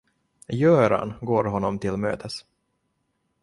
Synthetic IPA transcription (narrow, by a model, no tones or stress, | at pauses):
jœːɾa̰nɡoːɾɦɔnːɔmt̪ʰɪlmø̰ːt̪ʰəs